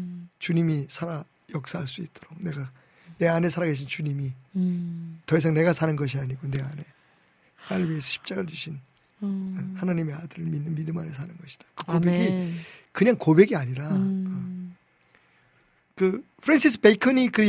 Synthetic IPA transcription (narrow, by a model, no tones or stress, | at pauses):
t͡ɕuɲimisʰaɾa | jʌk̚s͈aɦaɭs͈uit̚t͈oɾok̚ne̞ɡa | ne̞ane̞s̬ʰaɾaɡeɕ̬ʰint͡ɕuɲimi | tʌis̬ʰaŋne̞ɡasʰanɯnɡʌɕ̬ʰiaɲiɡone̞a̰ne̞ | maɭmiesʰʌɕʰi̥p̚t͡ɕ͈aɡat͡ɕuɕʰin | ʌhanaɲime̞adɯɾɯɭminːɯnmidɯmane̞sʰanɯnɡʌɕʰi̥d̥ḁkɯkobeɡikɯɲaŋkobe̞ɡiaɲiɾa | kɯ | pʰɯɾensʰis͈ʰɯpekʰʌnikɯ